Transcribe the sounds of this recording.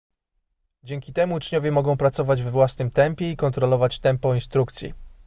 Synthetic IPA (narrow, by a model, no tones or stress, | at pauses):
d͡ʑɛŋkʲit̪ɛmuːt͡ʂɲɔvʲjɛmɔɡɔ̃w̃pɾat̪sɔvad͡ʑvɛvwasnɘmt̪ɛmpʲjɛikɔnt̪ɾɔlɔvat͡ɕt̪ɛmpɔinst̪ɾuk̚t̪sʲjḭ